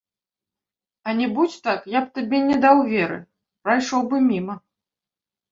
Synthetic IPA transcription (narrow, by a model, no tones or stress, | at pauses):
ɐnʲɛbut͡sʲt̪akjap̚t̪abʲɛnʲɛd̪awvʲɛɾɨ̰ | pɾajʂɔwbɨmʲimɐ